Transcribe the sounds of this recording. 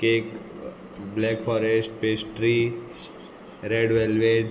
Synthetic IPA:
keːk | blɛːkfʰɔːɾesʈpeːsʈɾi | ɾeːɖʋeːlʋeɖ

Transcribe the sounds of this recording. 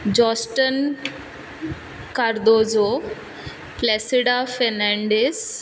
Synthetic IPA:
d͡ʒɔːsʈən | kaɾd̪oːzo | plesiɖafɛnɛ̃ɳɖes

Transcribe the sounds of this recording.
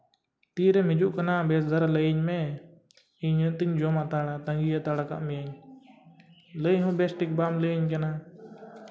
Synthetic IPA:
t̪iːɾeːmɪd͡ʒuːʔkənãːbeːszəɾləiɲmẽː | iɲt̪ɪɲd͡ʒoːmãːt̪aːɽaːt̪əŋɡiːjat̪aːɽaːka̰ʔmɪjaːɲ | ləiɦũːbeːsʈɪk̚baːmləɲk̬enaː

